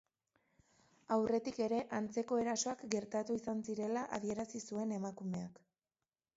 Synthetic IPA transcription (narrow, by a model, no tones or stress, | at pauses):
awre̞t̪ike̞ɾe̞ʔant͡se̞ko̞e̞ɾaso̞akɡe̞ɾt̪at̪uisansiɾe̞laʔaðie̞ɾasisue̞ne̞makume̞ak